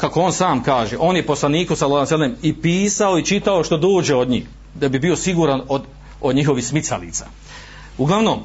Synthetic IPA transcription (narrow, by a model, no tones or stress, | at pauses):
kako̞oːnsaːmkaːʒeʔo̞ːnjepo̞slˠaniːkosalaːsalemipiːsao̞it͡ʃit̪ao̞ʃt̪od̪oːd͡ʒe̞od̪ɲiːh | d̪abibio̞siɡuːɾanod̪ | od̪ɲiɦo̞ʋihsmit̪sa̰lḭːt̪sa̰ː | uɡlˠaʋnom